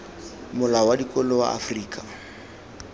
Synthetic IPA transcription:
mʊlawadikʼɔlɔwa̰a̰friːkʼa

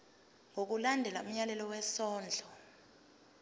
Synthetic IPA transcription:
ŋʱok̬ulandʱɛla̰um̩ɲalɛlɔwɛsɔːnd͡ɮʱɔ

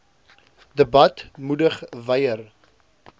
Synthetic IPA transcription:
dəbɐtmudəχvɐjər

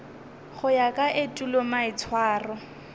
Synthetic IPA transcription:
χʊjakʼaʔɪtʼulɔmaɪt͡sʰwaːrɔ

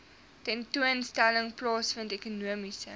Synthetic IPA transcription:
tɛntuənstæləŋplɑːsfəntɛkunuəmisə

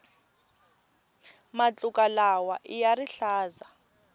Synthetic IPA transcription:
mat͡ɬʼukʼalawa̰ʔijariɬaːza

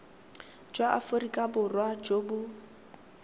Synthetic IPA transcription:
d͡ʒwaʔafʊɾikʼabʊrwad͡ʒoːbʊ

